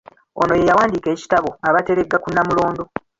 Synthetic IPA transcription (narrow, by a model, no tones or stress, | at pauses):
ono̞je̞jawaːndiːke̞ːci̥taβo̞aβate̞ɾe̞ɡːakunːamulo̞ːndo̞